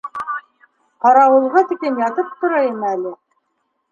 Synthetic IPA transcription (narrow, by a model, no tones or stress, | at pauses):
qɑɾɑwɤ̆lˠʁɤt̪ĭkɘnjɑt̪ɤp̚t̪ŏɾɑjimælɘ